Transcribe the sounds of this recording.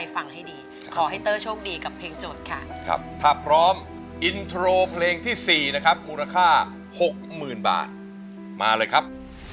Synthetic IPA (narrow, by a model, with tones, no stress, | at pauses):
a˧jfa˧ŋha˥˩jdiː˧ | kʰɔː˩˦ɦa˥˩jt̪ɤː˥˩t͡ɕʰuː˥˩˨k̚diː˧ka˨˩pʰeː˧ŋt͡ɕoː˨˩t̪̚kʰa̰˦˥˩kʰa̰˦˥p̚t̪ʰaː˥˩pʰɾɔː˦˥m | ʔi˧nt̪ʰɾoː˧pʰleː˧ŋt̪ʰiː˥˩siː˨˩na˦˥kʰa˦˥p̚muː˧la˧kʰaː˥˩ | ho˨˩k̚mɯː˨˩nba̰ː˨˩t̪̚ | ma̰ː˧lɤː˧jkʰa˦˥p̚